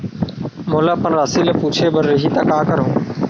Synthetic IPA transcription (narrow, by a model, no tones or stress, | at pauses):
moːlaːpənɾaːsiːləpuːt͡ʃʰeːbəɾːɪɦiːt̪aːkaːkəɾɦõː